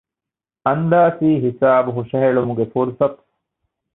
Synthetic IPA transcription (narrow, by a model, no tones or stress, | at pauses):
ɐnd̪aːsiːɦisaːbuɦuʃɐɦeɭumuɡefuɾsɐt̪